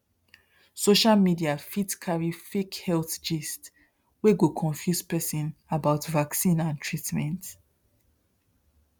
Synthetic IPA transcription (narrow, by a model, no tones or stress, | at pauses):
soʃalmidiafitkʰaɹifekhɛlθd͡ʒist | weɡokʰɔ̃ɱfjuspɛsĩnabaʊtvaksĩnãntʰɹitmɛ̃nt